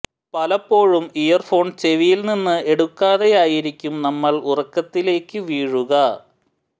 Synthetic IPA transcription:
pɐlɐpːo̞ːɻumijɐrfo̞ːɳt͡ɕe̞ʋijilninːɨe̞ɽukːaːðe̞jaːjiɾikʲːumnɐmːɐɭurɐkːɐt̪ːile̞ːkːɨʋiːɻuɣɐ

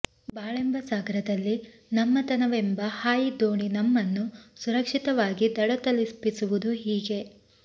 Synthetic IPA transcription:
baːɭembɐsaːɡɐɾɐd̪ɐlːi | nɐmːɐt̪ɐnɐʋembɐhaːjid̪oːɳinɐmːɐnːusuɾɐkʂit̪ɐʋaːɡid̪ɐɽɐt̪ɐlispisuʋud̪uɦiːɡe̞

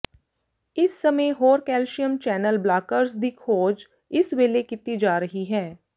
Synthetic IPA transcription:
ɪsːɐmə̃jɦoːɾkɛːlʃijəmt͡ʃɛːnəlblaːkəɾsd̪ikʰhoːd͡ʒ | ɪsweːlekɪt̪ːid͡ʒaːɾɐɦiɦɛː

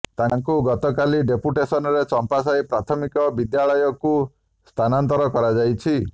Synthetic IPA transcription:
t̪aŋkuɡɔt̪ɔkaliɖepuʈesɔnɔɾet͡ʃɔmpas̬ajpɾat̪ʰɔmikɔbid̪jaɭɔjɔku | st̪ʰanant̪ɔɾɔkɔɾad͡ʒajt͡ʃʰi

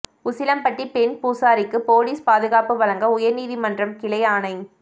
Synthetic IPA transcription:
ʊsɪlɐmpɐʈːipɛnpuːsaːɾɪkːɯpoːliːspaːðɯɣaːpɯʋɐlɐŋɡɐʊjɐɾniːðimɐndrɐmkɪɭɐɪaːnɐɪ

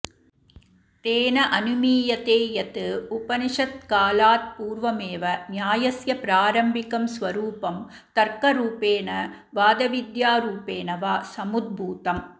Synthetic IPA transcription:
t̪eːnɐʔɐnɯmiːjɐt̪eːjɐt̪ɯʊpɐnɪʂɐt̪̚kaːlaːt̪̚puːɾʋɐmeːʋɐnjaːjɐsjɐpɪɾaːɾɐmbɪkɐmsʋɐɾuːpɐm | t̪ɐɾkɐɾuːpeːnɐ | ʋaːd̪ɐʋɪd̪jaːɾuːpeːnɐʋaːsɐmʊd̪̚bʱuːt̪ɐm

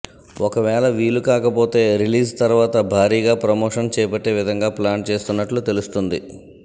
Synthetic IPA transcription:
ɔkɐʋɛːɭɐʋiːlukaːkɐpo̞ːt̪e̞ːɾiliːst̪ɐɾuʋaːt̪ɐbʱaːɾiːɡaːpɾɐmoːʂɐnt͡ʃɛːɐpɐʈːe̞ːʋid̪ʱɐŋɡaːplaːnt͡ʃe̞ːst̪unːɐʈlut̪e̞lust̪und̪ḭ

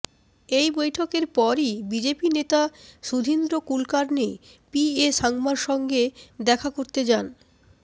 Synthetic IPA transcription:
ejbojʈʰokeɾpɔɾibid͡ʑepinet̪aʃud̪ʱind̪ɾokulkaɾne | pieʃaŋmaɾʃɔŋɡed̪ɛkʰakoɾt̪ed͡ʑan

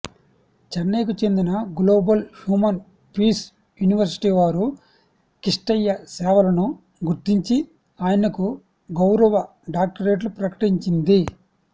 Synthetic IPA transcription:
t͡ʃɐɾneːkut͡ʃe̞nd̪inɐɡlo̞ːbɐlhjuːmɐn | piːs | juniʋɐɾsi̥ʈiːʋaːɾu | kiʂʈɐjːɐsɛːʋɐlɐnu | ɡuɾt̪iɲt͡ʃi | aːjɐnɐku | ɡɐwɾɐʋɐ | ɖaːk̚ʈɐɾe̞ːʈ̬lupɾɐkɐ̥ʈiɲt͡ʃind̪i

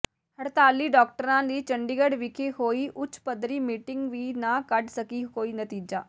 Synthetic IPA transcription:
həɾt̪aːlːiːɖɔːk̚ʈəɾãːd̪iːt͡ʃəɳɖiːɡəɖʋɪkʰeːhoːiːʔʊt͡ʃʰpəd̪ɾiːmiːʈɪŋɡʋiːnãːkəɖsəkiːkoːiːnət̪iːd͡ʒa̰ː

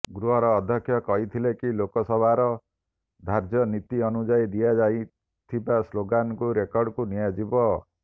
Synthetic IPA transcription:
ɡɾuɦɔɾɔːd̪ʱjɔkʰːjɔkɔɦit̪ʰilekilokɔsɔbʱaɾɔ | d̪ʱaɾd͡ʒjɔnit̪iɔnud͡ʒajd̪ijad͡ʒaj | t̪ʰibasloɡankuɾekɔɾɖkunijad͡ʒibɔ

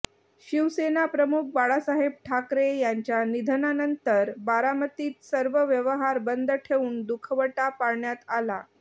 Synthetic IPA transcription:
ɕiʋsenapɾəmuk̚baɭasaɦeb̚ʈʰakɾejaɲt͡ɕjanid̪ʱənanənt̪əɾbaɾamət̪iːt̪səɾʋəʋjəʋəɦaɾbənd̪ʱəʈʰeuːnd̪ukʰəʋəʈapaɽɳjat̪ala

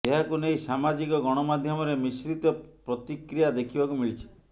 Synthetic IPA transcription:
eɦakunejsamad͡ʒikɔɡɔɽ̃ɔmad̪ʱjɔmɔɾemisɾit̪ɔpɾɔt̪ikɾijad̪ekʰibakumiɭit͡ʃʰi̥

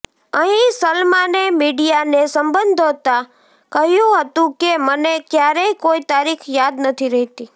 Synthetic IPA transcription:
əɦĩsəlmanemiɖijanesəmbənd̪ʱot̪a | kəɦjũɦət̪ũkemənekjaɾəikoit̪aɾikʰjad̪nət̪ʰiɾəɦt̪i

